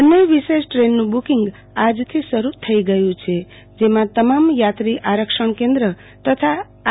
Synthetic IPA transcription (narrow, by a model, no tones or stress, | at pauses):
əneʋiʃesʈɾenːũbukiŋɡ | ad͡ʒt̪ʰisəɾut̪ʰəiɡəjũt͡ʃʰe | d͡ʒemãt̪əmamjat̪ɾiʔaɾəkʃəɳkẽnd̪ɾə | t̪ət̪ʰa